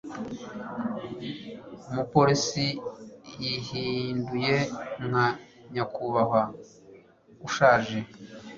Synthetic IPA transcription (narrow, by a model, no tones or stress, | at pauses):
umupo̞ɾisijihindujeŋ̥ha | ɲakʰuβaɦa | uʃaːʒe